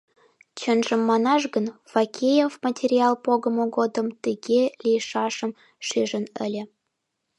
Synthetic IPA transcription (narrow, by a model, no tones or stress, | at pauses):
t͡ɕənʒəmːɑnɑʃɣənfɑkʲʰejefmɑtʲerʲiɑlˠpoɣəmoɣod̪əmt̪əɣelʲijʃɑʃəm | ʃyʒənə̰lʲĕ